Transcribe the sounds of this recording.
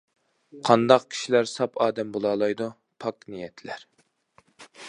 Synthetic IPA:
qʰɑnd̪ɑq̚kʲʰi̥ʃilæɾsɑpʰɑːd̪ɛmbolˠɑːlˠɑjd̪u | pʰɑknijɛt̪ʰlæɾ

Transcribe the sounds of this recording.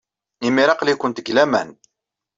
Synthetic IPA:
imiɾɑqlikʊnt̪əɡlæmæ̰n

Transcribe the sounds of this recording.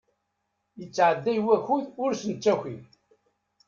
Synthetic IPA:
jət͡sːʕəd̪ːæjwæçuðʊɾsənt͡sːæçin

